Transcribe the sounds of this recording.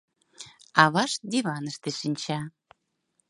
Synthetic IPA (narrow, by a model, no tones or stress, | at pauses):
ɑβɑʃd̪iβɑnəʃt̪eʃinʲt͡ɕɑ